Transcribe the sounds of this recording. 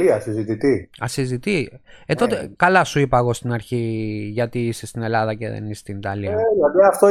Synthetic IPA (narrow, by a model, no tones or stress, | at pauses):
iɐsizit̪it̪iɐ̰sizit̪iet̪o̞t̪ekɐlɐsuipɐːɣo̞st̪inɐɾçiʝɐt̪iisest̪ine̞lɐðɐcḛðḛnisst̪init̪ɐliɐelɐliɐft̪o